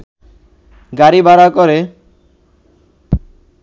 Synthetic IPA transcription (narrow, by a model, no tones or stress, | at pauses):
ɡaɾibaɾakoɾe